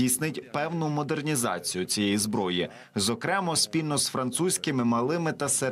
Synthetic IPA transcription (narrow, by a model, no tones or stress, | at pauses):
ijsnɪtʲpɛwnʊmɔd̪ernʲizɑ̰t͡sʲijʊt͡sʲijɛjizbɾɔji | zɔkɾɛmɔspʲilʲnɔsfɾɐnt̪susʲkɪmɪmɐlˠɪmɪt̪ɐse